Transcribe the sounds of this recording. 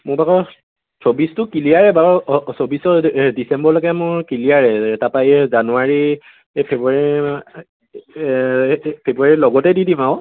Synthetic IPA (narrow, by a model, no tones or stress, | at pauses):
mʊbakɔ | sobistʊkilijaɹɛbaɹsobisɔdisɛmbɔɹlɔɡɛmʊɹkilijaɹɛɛtapajɛzanuaɹi | epʰebuaɹi | pʰebuaɹilɔɡɔtɛdidimãʊ̃